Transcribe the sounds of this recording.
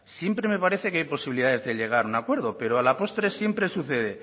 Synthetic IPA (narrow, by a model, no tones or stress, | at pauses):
sje̞mpɾe̞me̞paɾeθekeajpo̞siβiliðaðe̞zðeʎe̞ɣ̞aɾunakwe̞ɾðope̞ɾoalapo̞st̪ɾesje̞mpɾesuθeðe